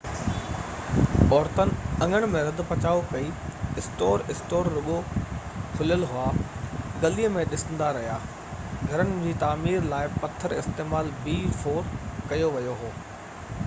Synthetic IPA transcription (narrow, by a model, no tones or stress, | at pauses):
ɔːɾt̪ənɪ̆ɐ̃ŋəɽ̃̆mẽɾɐd̪ʊ̆pɐt͡ɕaːʋopɐiɪsʈoːɾɪsʈoːɾːʊɠo | kʰʊljəlɦʊaɡɐliːəmẽɗɪsə̃nd̪aɾɐɦijaː | ɡʱɐɾənɪ̆d͡ʑiːt̪aːmiːɾlaːɪpɐt̪ʰəɾɪ̰st̪eːmaːlbiːfoːɾkɐjoʋɐjoɦoː